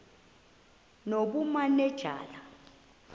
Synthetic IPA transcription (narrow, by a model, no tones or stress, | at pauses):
noɓumanɛd̥ʒ̥ʱa̰ːla